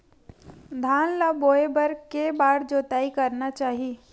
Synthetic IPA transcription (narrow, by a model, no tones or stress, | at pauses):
d̪ʱaːnlaboːebəɾkebaːɽd͡ʒoːt̪aːikɐɾnat͡ʃaːɦie